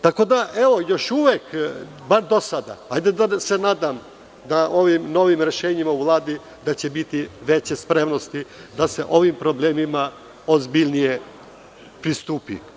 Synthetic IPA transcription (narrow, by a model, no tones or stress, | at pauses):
t̪ako̞d̪aʔeʋo̞jo̞ʃuʋek | baɾd̪o̞sad̪a̰ajd̪ed̪asenaːd̪am | d̪aʔo̞ʋimno̞ʋimɾe̞ʃeːɲimauʋlˠaːd̪i | d̪at͡ɕe̞bit̪iʋet͡ɕespɾemno̞st̪id̪aseʔo̞ʋimpɾo̞bleːmima | ozbiʎnije | pɾist̪uːpḭ